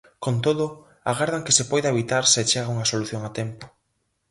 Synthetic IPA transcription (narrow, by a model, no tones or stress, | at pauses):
kont̪oðʊ | aɣaɾðaŋkɪsɪpɔjðaeβit̪aɾset͡ʃeɣauŋɐsoluθjoŋat̪ɛmpʊ̥